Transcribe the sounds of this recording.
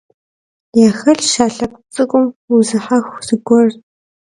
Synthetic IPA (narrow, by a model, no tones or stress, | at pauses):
jaːxɐɬʃaːɬɐkʷt͡sʼɨkʷʼʊmuzɨħaxʷz̥ɨɡʷɔr